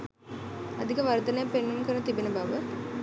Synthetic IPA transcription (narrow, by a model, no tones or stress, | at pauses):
ɐd̪ʱiɣɐʋɐɾd̪ɐnɐpenːɐmkɐnɐt̪ibinɐbʱɐʋɐ